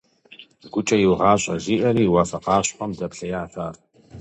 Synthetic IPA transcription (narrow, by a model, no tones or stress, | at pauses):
ɡʷʊt͡ʃʼɐjɪwʁɑːɕʼɐ̰ziːʔɐɾiːwɑfɐqɑːɕʼħɔmdɐpɬɐjaːfaːr